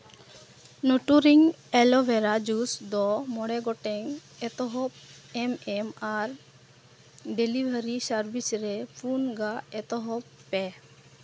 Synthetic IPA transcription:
nɔʈuɾiŋ | ɛlɔbɛɾad͡ʒusd̪ɔmɔɽɛɡɔʈɛŋɛt̪ɔɦɔp̚ɛmɛmaɾ | ɖelibʱəɾisaɾbisɾɛpʰunɡaɛt̪ɔɦɔpːɛ

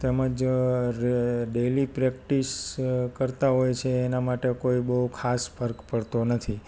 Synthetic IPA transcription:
t̪eməd͡ʒɾɖelipɾɛkʈiskəɾt̪aɦojt͡ʃʰeːnamaʈekoibəɦukʰaspʰəɾkpəɭt̪onət̪ʰi

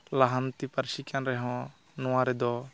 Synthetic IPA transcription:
laɦant̪ipaɾsikanɾɛɦɔ̃ | nɔãɾɛd̪ɔ

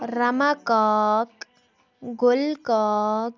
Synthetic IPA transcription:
ɾəmakɔk | ɡolkɔk

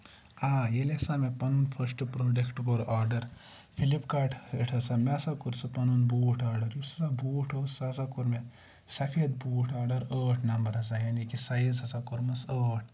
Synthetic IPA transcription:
aːjeleɐsaːmepɐnunpʰɐɾsʈpɾoːɖekʈɡoːɾʔaːɾɖɐɾ | fʰilipkaːʈʰeʈʰɐsamesakuɾsɨpɐnunbuːʈʰaːɾɖɐɾjusɐsabuːʈʰoːsːɐɐs̬akuɾme | sɐfʰeːd̪̚buːʈʰaːɾɖɐɾəːʈʰnɐmbɐɾɦɐs̬ajaːnikisɐjizɐsakuɾmɐsəːʈ̚ʰ

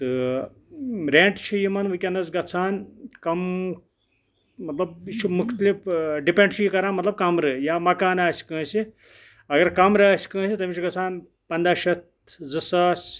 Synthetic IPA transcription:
t̪ɨ | ɾeːɳʈt͡ʃʰujimɐnʋɨkʲɐnɐzɡɐt͡sʰaːnkɐm | mɐt̪lɐbit͡ʃʰumukʰt̪lipɖipẽɳɖt͡ʃʰujikɐɾaːmɐt̪lɐb̚kɐmɾɨjaːmɐkaːnaːsi̥kɨ̃ːsi | ɐɡɐɾkɐmɾɨaːsʲi̥kɨ̃ːsit̪ɐmʲit͡ʃʰuɡɐt͡sʰaːn | pɐnd̪aːʃɐt̪̚zɨsaːsʲ

